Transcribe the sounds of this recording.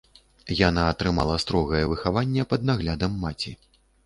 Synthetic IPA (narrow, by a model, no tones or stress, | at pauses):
janaːt̪ɾɨma̰lˠɐst̪ɾɔɣɐjɛvɨxavanʲːɛpɐd̪̚naɣlʲad̪ɐmːat͡sʲi